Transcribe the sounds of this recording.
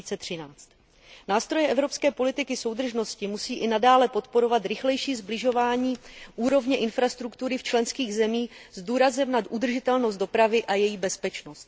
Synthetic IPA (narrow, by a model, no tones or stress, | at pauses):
t͡sɛt̪r̥ɪnaːt͡st̪ | naːst̪ɾo̞jɛʔɛvɾo̞pskɛːpo̞lɪt̪ɪkɪso̞wd̪r̩ʒno̞scɪmusiːʔɪnadaːlɛpo̞t̪po̞ɾo̞vat̪ɾɪxlɛjʃiːzblɪʒo̞vaːɲiːʔuːɾo̞vɲɛʔɪnfɾast̪ɾukt̪uɾɪft͡ʃlɛnskiːɣzɛmiːzduːɾazɛmnat̪ʔud̪r̩ʒɪt̪ɛlnost̪do̞pɾavɪʔajɛjiːbɛspɛt͡ʃno̞st̪̚